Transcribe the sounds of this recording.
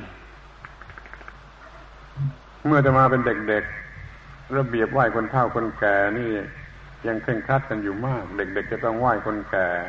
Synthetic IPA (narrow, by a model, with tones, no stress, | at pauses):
mɯ˥˩ɐt͡ɕa˨˩maː˧pe˧nde˨˩k̚de˨˩k̚ | ɾa˧bi˨˩əp̚waː˥˩jkʰo˧nt̪ʰa˥˩wkʰo˧nkɛː˨˩niː˥˩ | ja˧ŋkʰe˧˩ŋkʰaː˥˩t̪̚ka˧njuː˨˩maː˥˩k̚de˨˩k̚de˨˩k̚t͡ɕa˨˧˩t̪ɔ˥˩ŋwaː˥˩jkʰo˧nkɛː˨˩